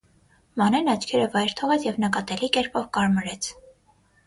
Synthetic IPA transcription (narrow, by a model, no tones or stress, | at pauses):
mɑnɛnɑt͡ʃʰkʰɛɾəvɑjɾt̪ʰɔʁɛt͡sʰjɛvnəkɑt̪ɛlikɛɾpɔvkɑɾməɾɛt͡sʰ